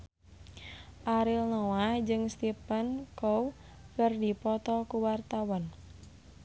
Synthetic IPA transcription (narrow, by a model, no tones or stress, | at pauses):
ʔaɾilnɔwahd͡ʒɨŋst̪ipənkɔw | kərdipɔt̪ɔkuwart̪awɔn